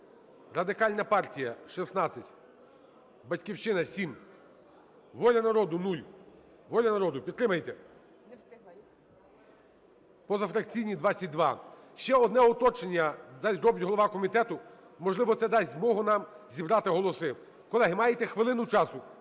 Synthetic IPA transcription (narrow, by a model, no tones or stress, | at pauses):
rɐd̪ɪkɑlʲnɐpɑrtʲijɐʃisnɑt͡sʲːɐtʲ | bɐtʲkʲiwʃt͡ʃɪnɐsʲim | ʋɔlʲɐnɐɾɔd̪ʊnulʲ | ʋɔlʲɐnɐɾɔd̪ʊpʲid̪t̪ːɾɪmɐjt̪ɛ | pɔzɐfɾɐk̚t͡sʲijnʲid̪ʋɑt͡sʲːɐt̚ʲd̪ʋɑ | ʃt͡ʃɛɔd̪nɛɔt̪ɔt͡ʃenʲːɐd̪ɑsʲɾɔbɪtʲɦɔlˠɔʋɑkɔmʲit̪ɛt̪ʊ | mɔʒlˠɪʋɔt̪sɛd̪ɑsʲzmɔɦʊnɑmzʲibɾɑt̪ɪɦɔlˠɔsɪ | kɔlˠɛɦɪmɑjet̪ɛxʋɪlˠɪnʊt͡ʃɑsʊ